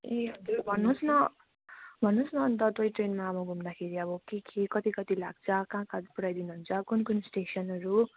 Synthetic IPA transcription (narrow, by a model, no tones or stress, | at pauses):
eɦʌd͡zuɾbʱʌnːusnʌ | bʱʌnːusnʌːnt̪ʌt̪ojʈrenmaːbʌɡʱumd̪akʰeɾiʌbʌkekʰekʌt̪ikʌt̪ilaɡ̚t͡sʰʌkãːkãt̪puɽajd̪inuɦunt͡sʰʌkunkunsʈesʌnʌɾu